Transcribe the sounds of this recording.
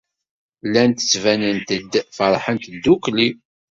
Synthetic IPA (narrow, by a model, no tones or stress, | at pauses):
lːænt̪ə̥t͡sːvænənt̪əd̪fəɾˤħənt̪d̪ːukli